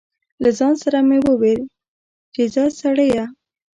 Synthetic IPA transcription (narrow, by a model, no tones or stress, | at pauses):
lazɑnsaɾamewəwel | d͡ʒezasaɽəja